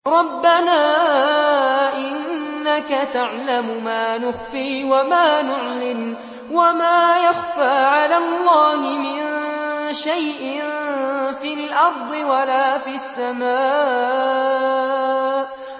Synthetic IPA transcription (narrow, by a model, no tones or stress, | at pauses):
ɾˤɑbːanaː | ʔɪnːakat̪aʕlamʊmaːnʊxfiːwamaːnʊʕlɪm | wamaːjɑxfaːʕalaːlˤːɑːhɪmɪnʃajʔɪnfiːlʔɑɾˤd̪ˤɨwalaːfiasːamaː